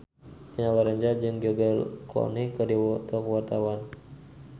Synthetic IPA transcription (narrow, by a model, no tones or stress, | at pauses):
pinawaɾaɲd͡ʒad͡ʒɨŋɡɔɡaklɔ̰nikːərdiwɔt̪ɔkəwart̪awan